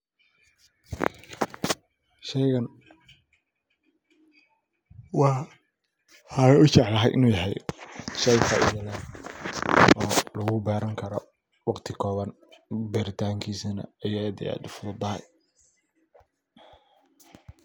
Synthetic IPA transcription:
ʃɛjɣɐn | wɑː | haːjʊt͡ʃɛʕlɐɦɛ̰jʔɪ̰nuːjɐɦɛjʃɛjfɐ̰ʔɪ̰jɐðan | ʔɔːlɐɣʊbaːɾɐŋkʰɐɾɔ | wɑqt̪ʰɪkʰɔːβɐn | bɛɾɪt̪ʰaːŋkʰiːsinɐ̰ɐjaːd̪ɪ̰ja̰ːʊfʊðʊd̪ɐɦɛ̰j

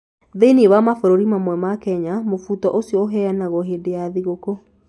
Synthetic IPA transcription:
ðeniβamafoɾoɾimamwɛmakɛɲamofutɔʔosiɔɦɛanaɣɔɦeːdejaðiɣoko

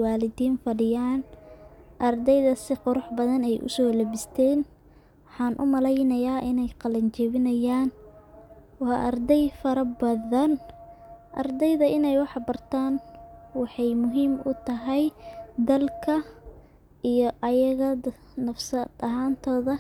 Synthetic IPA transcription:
wɑːlɪd̪iːnfɐɽɪjaːn | ʔɐrd̪ɛjðɐsɪqʊɾʊħbɐðɐnɛjʔʊ̰sɔːlɛbɪst̪ʰɛːn | wɑħɑːnʔʊ̰mɐlɛjnɐjaːʔɪnɛjqɑlɐnt͡ʃɛβɪnɐjaːn | wɑːʔɐrd̪ɛjfɐɾɐbɐðɐn | ʔɐ̰rd̪ɛjðɐʔɪnɛjwɑħbɐrt̪ʰaːnwɑħɑjmʊɦiːmʔʊt̪ʰɐɦɛjd̪ɐlkʰɐ | ʔijɔʔɐjɐɣɐ | nɐfsɐd̪ɐɦaːnt̪ʰɔːðɐ

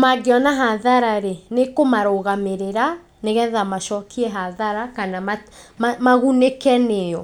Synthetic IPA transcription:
maɡeɔnaɦaðaɾaɾenekomaɾoɣameɾeɾa | neɣɛðamaʃɔːkʰiɛɦaðaɾakanamamamaɣunekɛnejɔ

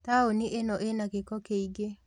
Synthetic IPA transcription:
taoniʔenɔʔenakekɔkeiɡe

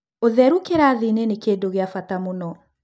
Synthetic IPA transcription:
oðɛɾukeɾaːðinenekeːdoɣeafatamonɔ

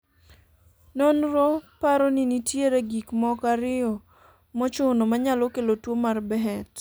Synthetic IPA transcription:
nɔnɾɔpaɾɔninitjeɾeɡikmɔkaɾɪɔ | mɔt͡ʃʊnɔmaɲalɔkelotwomarbɛɦɛt

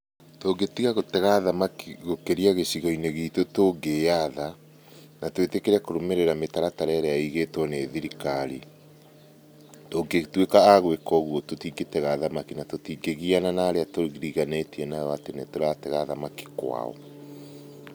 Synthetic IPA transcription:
toːɡetiɣaɣotɛɣaðamakiɣokeɾiaɣeɕiɣɔineɣitotoɡeaða | natwetekeɾakoɾomeɾeɾametaɾataɾɛaɾeaiɣetwɔneðiɾikaɾi | toɡetwekaːɣwekɔɣuɔtotiɡetɛɣaðamakinatotiɡeɣiananaɾeatoɣiɾiɣanetiɛnajɔatenetoɾatɛɣaðamaki̥kwa̰ɔ̰

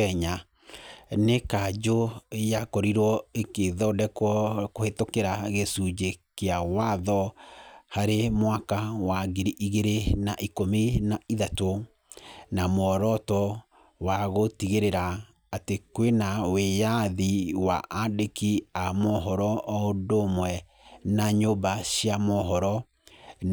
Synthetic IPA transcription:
ɛɲa | nekad͡ʒojakɔɾiɾwɔekeðɔdɛkkohetokeɾaɣesud͡ʒekeawaðɔ | haɾemwakawaɡeɾiʔiɣeɾenaʔikomenaiðato | namwɔɾɔtɔ | waɣotiɣeɾeɾaː | tekwenawejaðiwa̰ʔadekiamɔɦɔɾɔʔɔondomwɛ | naɲobaɕiamɔɦɔɾɔ

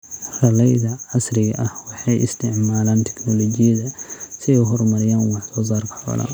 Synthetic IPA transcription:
rɐlɛjðɐʕɑsrɪɣɐʔɐhwɑħɑjʔɪst̪ʰɪʕmaːlaːnt̪ʰɛ̥knɔlɔt͡ʃɪjɐðɐsɪɛjɦɔrmɐɾɪjaːnwɑħsɔːs̬aːrkʰɐ̥ħɔ̰ːlɐ̰

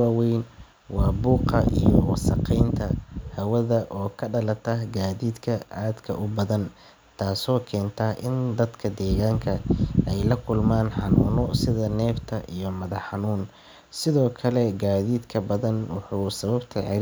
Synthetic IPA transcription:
aːwɛjn | wɑːbuːqɐʔḭjɔwsɐqɛjnt̪ʰɐhɐwɐðɐʔɔːkʰɐɖɐlɐt̪ʰɐhɡaːðiːd̪kʰɐʔaːd̪kʰɐ̰ʔʊbɐðɐn | t̪ʰaːsɔːkʰɛːnt̪ʰɐʔɪnd̪ɐd̪kʰɐd̪ɛːɣaːŋkʰɐɛjlɐkʰʊlmaːnħɑnuːnʊsɪðɐnɛːft̪ʰɐʔijɞmɐðɐħɑnuːn | sɪðɔːkʰɐlɛɡaːðiːd̪kʰɐbɐðɐnwɑħuːsɐβɐbt̪ʰɐʕɪ

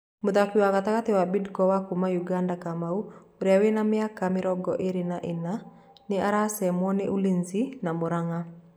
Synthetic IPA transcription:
mʊd̪akiwakat̪akat̪ɪwabidkɔwakumajuɡandakamau | ɾawenamɪakamɪɾɔɡɔʔeɾɪnaʔɪna | nɪaɾasɛmwɔneʔulinzinamoɾaŋa

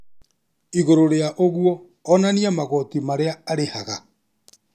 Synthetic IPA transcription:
iɣoɾoɾeaʔoɣuɔː | naniamaɣɔtimaɾeaːɾehaɣa

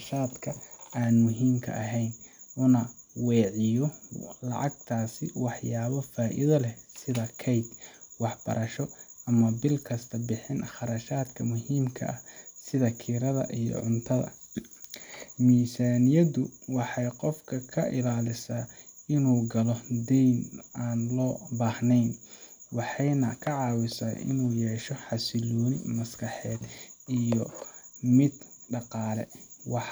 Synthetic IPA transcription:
ʃaːd̪kʰɐaːnmʊɦiːmkʰɐ̰ʔɐɦɛjnʔʊnɐwɛːʕɪjɔlɑ̰ʕɑɡ̚t̪ʰaːsɪwɑħjaːβɔfaːʔɪ̰ðɐlɛsɪðɐkʰɛjd̪wɑħb̥ɐ̰ɾʔɐʃɔʔɐmɐbɪlkʰɐst̪ʰɐbɪħɪnχɑɾɐʃaːd̪kʰɐmʊhiːmkʰɐ̰ʔɐsɪðɐkʰiːɾɐðɐ̰ʔijɞ̰ʕʊnt̪ʰɐðɐ̰ | miːsaːnɪjɐðʊwɑħɑjqɔfkʰɐkʰɐʔɪlaːlɪsaɪnuːɡɐlɔd̪ɛjnaːnlɔːbaːhnɛjnwɑħɑjnɐkʰɐʕɑːwɪsɐʔɪ̰nuːjɛːʃɔħɑsɪlɔːnɪ̰mɐskʰɑħɛːd̪ʔijɔmɪd̪ɖɑqɑːlɛ̰wɑħ

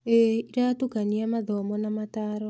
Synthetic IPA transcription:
eiɾatukaniamaðɔmɔnamataːɾɔ

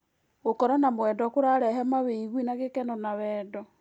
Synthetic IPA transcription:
ɣokɔɾanamwɛndɔkoɾaɾɛɦɛmaβeiɣwinaɣekɛnɔnaβɛːdɔ

